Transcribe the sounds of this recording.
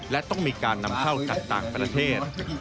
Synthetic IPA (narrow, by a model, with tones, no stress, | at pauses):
lɛ˦˥t̪ɔ˥˩ŋmiː˧kaː˧nːa˧mkʰa˥˩wt͡ɕa˨˩k̚t̪aː˨˩ŋpɾa˧t̪ʰeː˥˩t̪̚